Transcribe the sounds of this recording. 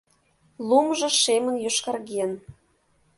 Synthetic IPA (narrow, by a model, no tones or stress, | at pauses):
lumʒɤ̆ʃemə̆njoʃkɑrɣen